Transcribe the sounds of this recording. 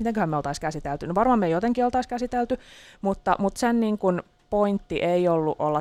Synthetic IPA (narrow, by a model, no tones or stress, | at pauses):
mit̪eŋkøhæmeolt̪ɑiskæsit̪elt̪ynoʋɑrmɑmmejot̪eŋkiolt̪ɑiskæsit̪elt̪ymut̪ːɑmut̪senniːŋkun | point̪ːiʔeiolːuʔolːɑ